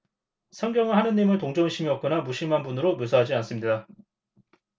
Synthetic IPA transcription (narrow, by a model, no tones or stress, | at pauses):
sʰʌŋɡjʌŋɯɭhanɯnɲːimɯɭtoŋd͡ʑoŋɕʰimiʌk͈ɯnamuɕʰimanbunɯɾomjosʰaɦad͡ʑians͈ɯmɲida